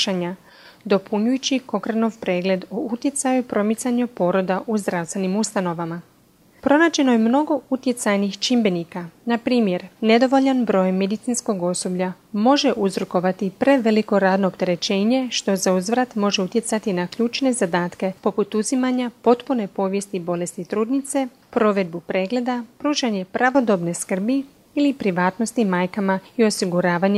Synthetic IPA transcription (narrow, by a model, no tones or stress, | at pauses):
ʃaɲa | d̪o̞pʰuɲujut͡ɕiko̞kɾano̞ʋpɾe̞ːɡle̞d̪out̪je̞t̪sajupɾo̞mit̪saɲupo̞ɾo̞d̪aʔuzd̪ɾavst̪ʋe̞nimust̪ano̞ʋama | pɾo̞naːd͡ʑe̞no̞jemno̞ɡo̞ut̪je̞t̪sajnixt͡ʃimbe̞nikanapɾiːmje̞ɾne̞d̪o̞ʋo̞ʎanbɾo̞jmːe̞d̪it̪sinsko̞ɡo̞sobʎa | mo̞ʒe̞ʔuzɾuko̞ʋat̪ipɾe̞ʋe̞liko̞ɾaːd̪no̞ːpt̪e̞ɾe̞t͡ʃe̞ːɲe̞ʃt̪o̞zauzʋɾat̪mo̞ʒe̞ut̪je̞t̪sat̪inakʎuːt͡ʃne̞zad̪aːt̪ke̞po̞put̪uzimaɲapo̞t̪pune̞po̞ːʋje̞st̪ibo̞le̞st̪it̪ɾuːd̪nit̪se̞ | pɾo̞ʋe̞d̪̚bupɾe̞ːɡle̞d̪apɾuːʃaɲe̞pɾaʋo̞d̪o̞bne̞skr̩bi | ilipɾiʋaːt̪no̞st̪imaːjkamaio̞siɡuɾaːʋaɲ